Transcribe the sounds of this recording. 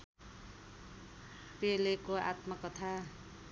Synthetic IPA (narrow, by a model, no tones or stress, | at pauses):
pelekoa̰t̪mʌkʌt̪ʰa